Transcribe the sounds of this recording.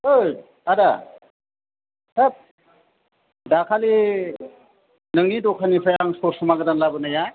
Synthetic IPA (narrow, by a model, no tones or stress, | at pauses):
ɯj | aɾa | sap̚ | dakʰali | nɯŋnidɔkʰanipʰajaŋsɔsumaɡɯdanlabɯnaja